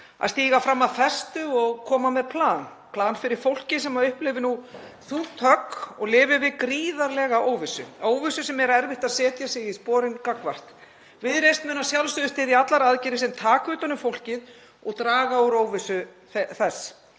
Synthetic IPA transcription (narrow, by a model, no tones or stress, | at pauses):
a̰ðst̪iːɣafɾamːaðθɛst̪ʏɔɣkʰɔːmamɛðpʰlaːn | pʰlaːnfɪɾɪɾ̥fowl̥cɪs̬ɛmaʏhplɪvɪnuθuð̥t̪ʰœkɔɣlɪːvɪvɪðkɾiːðaɾlɛɣaʔoːwvɪsʏ̰oːwvɪsʏsɛmɛɾaɛɾvɪht̪aðsɛːt̪jasɪɣispɔːɾɪnkakvar̥t̪ | vɪðɾejst̪mʏːnasjawlsʏðʏst̪ʰɪːðiat̪laɾaðcɪɾɪsɪnt̪ʰaːkʏːt̪anʏmfowl̥cɪð | ɔɣt̪ɾaːɣawɾoːwvɪsʏ | θɛθɛs